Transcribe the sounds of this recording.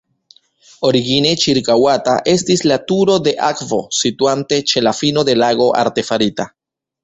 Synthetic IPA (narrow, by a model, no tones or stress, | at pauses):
o̞ɾiɡine̞t͡ʃiɾkawata̰ʔe̞stislatuɾo̞de̞ʔakvo̞̰situante̞t͡ʃe̞lafino̞de̞laɡo̞ʔa̰ɾte̞faɾita